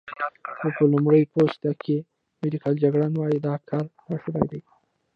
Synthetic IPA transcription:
xopəlʊmɾəjpost̪akʰe | mɪd̪ikald͡ʒaɡɽɑnwɑjid̪ɑkʰɑɾnaʃuba̰jd̪əj

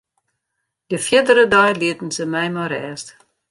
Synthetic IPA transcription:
dəfiədəɾədɑjliətn̩səmɛjmaɾɛːst

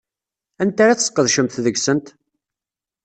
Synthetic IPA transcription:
ænt̪aɾat͡ssqːəðʃəmθðəɡsənt̪

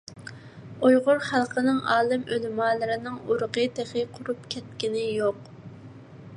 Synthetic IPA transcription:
ujʁʊɾχælˠqənɨŋɑːlˠɨmølmɑːlˠɨɾɪnɪŋuɾʊqəd̪eχɪqʰʊɾupkʲʰɛt̪̚kʲinɪjoq

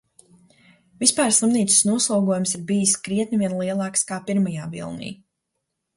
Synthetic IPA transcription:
vispaːɾslˠimniːt̪su̥snuɔslˠuːɡuɔjumsiɾbijiskɾiɛt̪nʲivʲiɛnlˠiɛlˠɑːkskaːpiɾmajaːvḭlˠnḭː

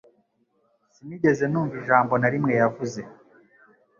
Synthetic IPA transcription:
simiɟe̞ze̞nuːɱviʒaːmbo̞naɾimŋe̞javuze̞

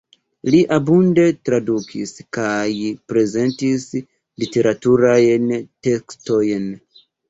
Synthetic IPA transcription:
liʔabunde̞tɾadukʰiskajpɾe̞ze̞ntis | lite̞ɾʔatuɾajnte̞ksto̞jn

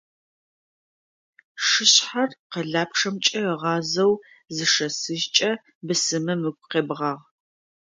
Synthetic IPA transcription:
ʂɨɕħarqəɮaːpʈ͡ʂʰɐmt͡ʃʼɐəʁɑːzɐw | zɨʂɐsɨʒt͡ʃʼɐ | bɨsɨmɐmɨɡʷʼqeːbʁɑːʁ

